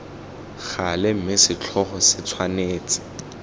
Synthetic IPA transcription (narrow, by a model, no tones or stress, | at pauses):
χalɪm̩mɪsɪt͡ɬʰɔχɔsɪt͡sʰwaneːt͡sʼɪ̥